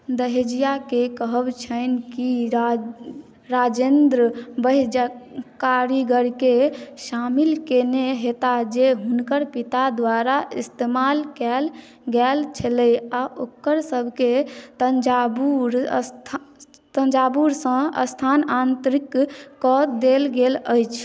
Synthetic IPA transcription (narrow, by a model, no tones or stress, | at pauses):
d̪əɦed͡ʒijakekəɦəbt͡ʃʰənki | ɾad͡ʒend̪ɾəbəɦd͡ʒakaɾiɡəɾkeʃamilkeneɦet̪ad͡ʒeɦunkəɾpit̪ad̪waɾaist̪emalkɛl | ɡɛlt͡ʃʰələjaʔokəɾsəbʱket̪ənd͡ʒabuɾt̪ʰ | t̪ənd͡ʒabuɾsə̃ə̰st̪ʰanant̪ɾikːɔt̪d̪elɡeləjt͡ʃʰ